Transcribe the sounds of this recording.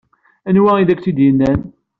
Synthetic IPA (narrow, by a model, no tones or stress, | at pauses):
ænwæiðækːt͡sid̪jənːæn